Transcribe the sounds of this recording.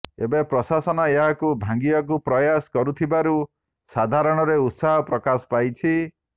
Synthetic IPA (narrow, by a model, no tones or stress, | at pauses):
ebepɾɔsasɔnɔeɦakubʱãŋɡiɔk̬upɾɔjasɔ̥kɔɾut̪ʰibaɾu | sad̪ʱaɾɔɽ̃ɔɾeut̪saɦɔpɾɔkasɔ̥pajt͡ʃʰi